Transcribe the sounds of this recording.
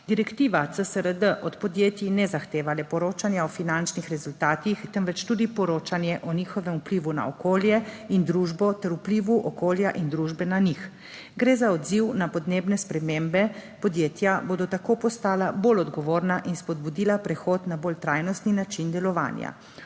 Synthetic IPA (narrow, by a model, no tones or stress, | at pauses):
d̪iɾɛkt̪iːʋat̪səsəɾəd̪əʔɔt̪pɔd̪jeːt̪jinɛzaxt̪eːʋalɛpɔɾoːt͡ʃanjaɔfinant͡ʃnixɾɛzult̪aːt̪ixt̪əmʋɛt͡ʃt̪uːd̪ipɔɾoːt͡ʃanjɛʔɔnixɔʋɛmupliːʋuna̰ɔkoːljɛind̪ɾuːʒbɔt̪ɛɾupliʋuʔɔkoːljaʔind̪ɾuʒbɛnanix | ɡɾeːzaɔd̪ziwnapɔd̪neːbnɛspɾɛmembɛpɔd̪jeːt̪jaboːd̪ɔt̪akoːpɔst̪aːlabolɔd̪ɡɔʋoːɾnaʔinspɔd̪bud̪iːlapɾɛxoːt̪nabolt̪ɾajnɔst̪ninat͡ʃind̪ɛlɔʋa̰ːnja̰